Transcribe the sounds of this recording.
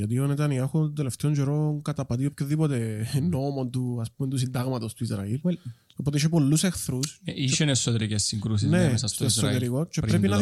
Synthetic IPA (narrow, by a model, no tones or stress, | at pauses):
ɐt̪ionet̪ɐniɐxod̪eleft̪eoɲd͡ʒeɾonkɐt̪ɐpɐt̪iopçoðipot̪enomo̞nt̪uɐsp̚ument̪usind̪ɐɣmɐt̪ost̪uizɾɐ̰il | opot̪eiʃepo̞lːusexθɾusiʃenesːot̪eɾicesːiŋɡɾus̬isnesɐst̪esot̪eɾikot͡ʃepɾepinɐ